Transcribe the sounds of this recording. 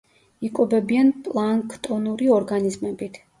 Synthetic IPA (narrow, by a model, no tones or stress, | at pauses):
ikʼɔbɛbianpʼlˠaŋkʰʼt̪ʼɔnuɾiɔɾɡanizmɛbit̪ʰ